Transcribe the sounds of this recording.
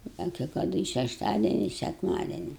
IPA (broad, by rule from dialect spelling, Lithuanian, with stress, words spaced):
ˈdɐ kʲɛɪ kɐˈdʊ ɪ ʃʲɛʃˈtɑːdʲiɛnʲɪ ɪ sʲɛkˈmɑːdʲiɛnʲɪ